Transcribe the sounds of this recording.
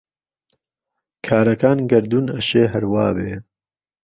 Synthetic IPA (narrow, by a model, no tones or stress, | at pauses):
kʰaːɾɐkaːnɡɐɾd̪uːnɐʃeːɦɐɾwaːbeː